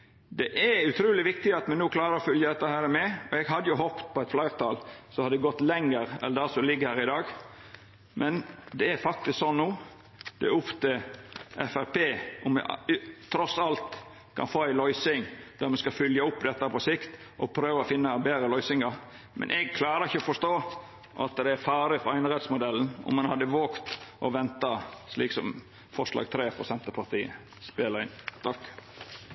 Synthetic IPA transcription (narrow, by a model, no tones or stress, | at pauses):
d̪ɛʔæʉt̪ʰɾuːlɪʋɪkt̪ɪɑt̪mɛnuːkʰlɑːɾəɾɔfʏljəd̪ɛt̪ːɑhæːɾmɛɔɛɡɦɑd̪ːəjʊɦɔpt̪pʰɔɛɪt̪flæɪʁt̪ʰɑlsɔhɑd̪ɛɡɔt̪ːlɛŋːəɾɛ̰ld̪æsɔlɪɡːəhæːɾɪd̪ɑːɡ | mʔɛnd̪ɛæɾfɑk̚t̪ɪsksɔnːuː | d̪̥ɛʊft̪əʔɛfæɾpʰeːʊmːɛ̰t̪ʰɾɔsɑlt̪ | kʰɑ̰nfoːæɪlɔʏsɪŋd̪̥æɾmɛnskɑfʏljɑʊpːd̪ɛt̪ːɑpʰɔsɪkt̪ | ʔɔpʰɾøːʋəɔfɪnːɑbeːɾəlœʏsɪŋɑɾ | mʔɛ̰nʔɛɡ̚kʰlɑːɾəɾɪçəɔfɔʂt̪oː | ʔɑt̪d̪ɛæɾfɑːɾɪfɔɾæɪnəɾɛt̪smʊd̪ɛln̩ʊ̰mːɑnhɑd̪ːəʋoːkt̪ʔɔʋɛnt̪ɑsliːksɔ̰m | fɔʂlɑ̰ːɡ̚t̪ʰɾeːpɔsɛnt̪əpʰɑɾt̪ʰiːə̰ | speːləɾɪnt̪ʰɑkː